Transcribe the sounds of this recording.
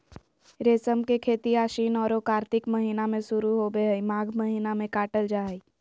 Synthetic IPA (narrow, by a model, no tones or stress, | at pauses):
ɾeːsəmkekʰeːt̪iaːʃiːnɔːɾoːkaːɾt̪ɪkmɐɦiːnamẽsʊɾuɦobeɦəimaːɡʱməɦiːnamẽkaːʈəld͡ʒaːɦi